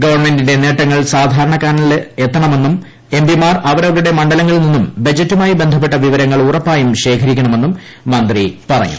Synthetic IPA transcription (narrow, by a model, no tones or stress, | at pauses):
ɡɐʋɐrme̞ndinde̞ne̞ːʈːɐŋːɐɭsaːd̪ʱaːɾɐɳɐkaːnɐilet̪ːɐɳɐme̞nːum | embimaːrɐʋɐɾɐʋɐɾuɽe̞mɐɳɖɐlɐŋːɐɭninːumbɐd͡ʑɐtːumaːjibe̞nd̪ʱɐpːe̞ʈːɐʋiʋɐɾɐŋːɐɭurɐpːaːjumɕe̞ːkʰɐɾikʲːɐɳɐme̞nːumː | ɐnd̪ripɐrɐ̰ɲːṵ